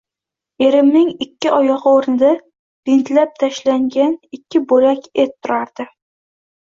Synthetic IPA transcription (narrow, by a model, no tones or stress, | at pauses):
e̞ɾɪmnɪŋɪkʲːɪʔɒjɒʁɨoɾnɪd̪a | b̥ɪnt̪lap̚t̪ʰaʃlaŋɡʲanɪkʲʰːɪboɾakʲet̪ʰːʊɾaɾd̪̥ɪ